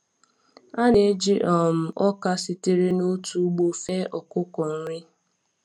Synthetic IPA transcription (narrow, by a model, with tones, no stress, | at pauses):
a˦ne˨e˦d͡ʒi˦ʔɔ˨m̩˦ɔ˦ka˦sɪ˨te˦ɾe˦no˦tu˨˦ɡ͡bo˨fe˦ʔɔ˨kʊ˦kɔ˨n̩˦ɾɪ˦